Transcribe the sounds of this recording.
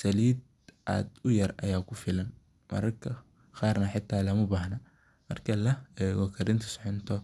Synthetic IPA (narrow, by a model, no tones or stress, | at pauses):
sɐliːd̪ | ʔa̰ːd̪ʊjɐrɐ̰jaːkʰʊfɪlɐn | mɐ̰ɾɐrkʰɐ | qaːrnɐħɪt̪ʰːaːlɐmʊbaːhnɐ | mɐ̰rkʰɐlɐɛɣɔkʰɐɾɪnt̪ʰɐ̥sħʊnt̪ʰɔ